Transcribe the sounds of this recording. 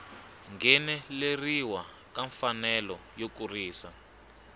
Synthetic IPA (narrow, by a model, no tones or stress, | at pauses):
ŋɡɛnɛleriwa | kaɱfanɛlɔjokuriːsa